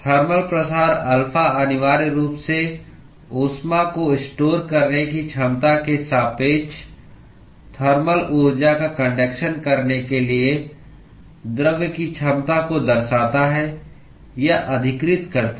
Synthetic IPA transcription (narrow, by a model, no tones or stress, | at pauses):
t̪ʰɐɾməlpɾəsaːɾɐlfʰaənɪʋaːɾɾuːpse | oːsmakoɪsʈoːɾkɐɾnekit͡ʃʰɐmt̪akesaːpeːt͡ʃʰ | t̪ʰəɾməlʔoːɾd͡ʒakakə̃ɳɖeːkʃənkɐɾnekelie | d̪ɾəʋjkit͡ʃʰɐmt̪akod̪ɐɾsaːt̪aɦɛ | jaʔɐd̪ʱɪkɾɪt̪kəɾt̪